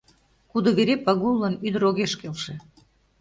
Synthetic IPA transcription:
kud̪ŏβeɾepɑɣulˠːənyd̪ə̆ɾoɣeʃkelʃĕ

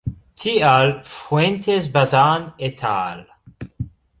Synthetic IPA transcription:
t̪ʰialfwent̪ʰezbazanet̪ʰa̰ːl

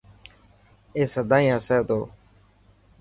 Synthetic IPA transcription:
eːsəd̪ãːĩːəsɛːt̪oː

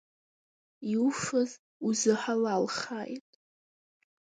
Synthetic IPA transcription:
iuʂɨz | uzɨħalalχaːjtʼ

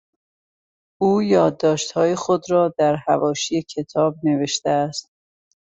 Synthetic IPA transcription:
uːjɒːd̪ːɒːʃt̪hɒːjexod̪ɾɒːd̪æɾhævɒːʃijecʰe̞t̪ʰɒːb̚ne̞ve̞ʃt̪eæst̪̚

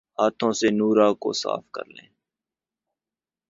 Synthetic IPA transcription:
ɦaːt̪ʰõːsenuːɾaːko̰sa̰ːfkə̰ɾlḛ̃ː

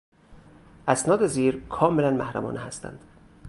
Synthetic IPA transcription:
ʔæsnɒːd̪eziːɾkʰɒːmelænmæhɾæ̰mɒ̰ːnʔehæst̪æ̰nd̪̥

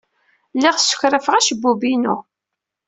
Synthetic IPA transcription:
lɪʁsːʊ̥çɾəfʁæʃəbːubinʊ

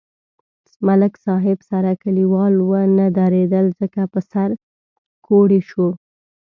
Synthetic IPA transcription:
malɪksɑɦɪbsaɾakaliwɑlwənad̪aɾed̪əlzəkapəsaɾ | kʰoɽeʃu

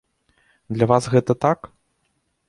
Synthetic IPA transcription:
d̪lʲɐvasɣɛt̪ɐt̪ak

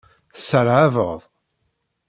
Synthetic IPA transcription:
θsəɾʕavəʁðˤ

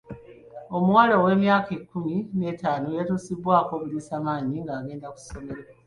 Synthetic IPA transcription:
o̞muwaːlowe̞ːmjaːkekːumine̞ːtaːnojatuːsiβwaːko̞βulisaːmaːɲiŋɡaːɡe̞ːndaku̥so̞me̞ɾea

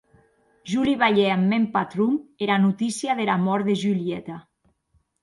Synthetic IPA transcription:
ʒuliβaʎeamːempat̪ɾumeɾanut̪isiaðelamɔɾðeʒyliet̪a

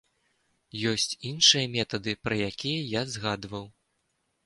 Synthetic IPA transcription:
jɔsʲt͡sʲinʂɨjɐmʲɛt̪ɐd̪ɨpɾɐjakʲijɐjazɣad̪vɐw

